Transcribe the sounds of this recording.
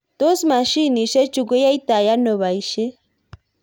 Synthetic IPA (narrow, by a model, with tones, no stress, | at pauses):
t̪o˦sma˨ʃi˦ni˨ʃe˦t͡ʃu˨ɡʷe˦ja˦i˦t̪a˨ja˦no˨βa˨i˨ʃe˦